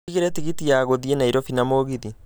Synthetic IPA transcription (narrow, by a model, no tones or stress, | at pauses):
ɣeɾetiɣitiaɣoðienaiɾofinamoɣiði